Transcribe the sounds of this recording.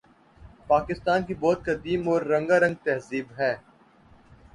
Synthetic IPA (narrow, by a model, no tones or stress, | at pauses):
paːkɪst̪aːnkibɔːt̪̚kɐd̪iːmɔːɾːɐ̃ŋɡaɾə̃ŋɡ̚t̪ɛɦziːbɦɛː